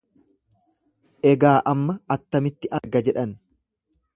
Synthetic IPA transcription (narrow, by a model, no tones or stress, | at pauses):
ʔɛɡaːʔɐmːɐɐt̪ːɐmɪt̪ːɪʔɐɾɡɐd͡ʒɛᶑɐn